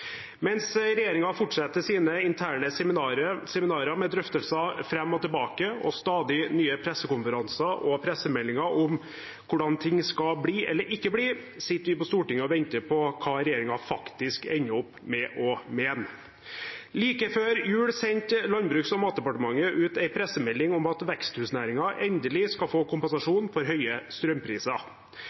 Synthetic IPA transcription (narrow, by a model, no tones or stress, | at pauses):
mɛnsɾɛjeːɾɪŋɑfʊʈʂɛt̪ːəsiːnəɪnt̪ʰæːɳəsɛmɪɾəsɛmɪnɑːɾəmɛd̪ɾœft̪əlsɑfɾɛmːɔt̪ɛlbɑːkəɔ̰st̪ɑːd̪ɪnyːəpʰɾɛsːəkʊnfəɾɑnsɑʔɔpʰɾɛsəmɛlːɪŋɑʔʊm | kʰʊɖɑnt̪ʰɪŋːskɑbɽiːʔɛlːəɾɪkːəbɽiː | sɪt̪ːəɾʋɪpɔst̪uːʈɪŋːəɔʋɛnt̪əpʰɔkʰɑːɾɛjeːɾɪŋɑfɑkt̪ɪskɛnːəɔpːmɛʔɔmeːn | liːkəføːɾjʉːɽsɛɲt̪lɑnbɾʉːksɔmɑːt̪̚d̪ɛpɑʈəmɑŋːəʔʉːt̪æɪpʰɾɛsəmɛlːɪŋʊmɑt̪ʋɛkst̪hʉːsnæːɾɪŋɑʔɛnd̪əlɪskɑfoːkʊmpɛnsɑʂuːnfɔɾɦœʏəst̪ɾœmpʰɾiːsɑ